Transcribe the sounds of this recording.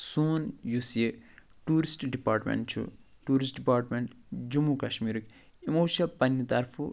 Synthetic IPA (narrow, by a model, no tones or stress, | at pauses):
suːnjusje | ʈuːɾisʈɖipaːɾʈmḛɳʈt͡ʃʰṵ | ʈuːɾisʈɖipaːɾʈmeɳʈ | d͡ʒumːukɐʃmiːɾɨk | imoːʃɐpɐnjɐt̪ɐɾfʰu